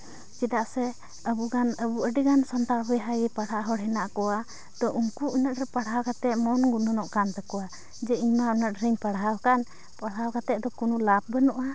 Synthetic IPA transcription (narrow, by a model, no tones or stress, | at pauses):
t͡ʃid̪aʔsɛ | əbuɡanəbuəɖiɡansɔnt̪aɾbɛjɦajɡɛpaɽaʔɦɔɽɦɛnaʔkɔwa | d̪̥ɔʔuŋkuʔinaʔ̚ɾɛpaɽɦawkat̪ɛʔ̪̚mɔnɡunɔnɔʔkant̪akɔwa | d͡ʒɛiɲmaunətɾiɲpaɽɦawkan | paɽɦawkat̪ɛʔ̚d̪ɔkunulap̚bənɔʔa